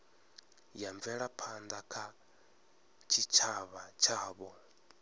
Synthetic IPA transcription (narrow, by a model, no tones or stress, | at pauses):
jaɱvɛɺapʰand̪akʰa | t͡ʃʰit͡ʃʰaβat͡ʃʰaːβɔ